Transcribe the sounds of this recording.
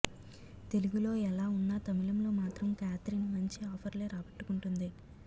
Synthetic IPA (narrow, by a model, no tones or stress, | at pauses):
t̪e̞luɡulo̞ːɛlaːunːɐt̪ɐmiɭɐmlo̞ːmaːt̪ɾɐmkjaːt̪ɾiːnmɐɲt͡ʃiɔːpʰɐɾleːɾaːbɐʈːu̥kuɳʈund̪i